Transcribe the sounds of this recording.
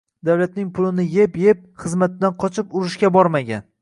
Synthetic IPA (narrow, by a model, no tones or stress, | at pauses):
d̪awlat̪nɪŋpʰʊlˠɪnɪjepje̞p̚χɨzmat̪̚ːanqʰɒt͡ʃʰɪpʊɾɪʃkʲabɒɾmaɡʲa̰n